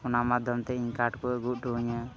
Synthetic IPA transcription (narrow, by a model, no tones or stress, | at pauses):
ɔnamad̪ʱjɔmt̪ɛiɲkaʈkɔɛɡuʔʈuɲa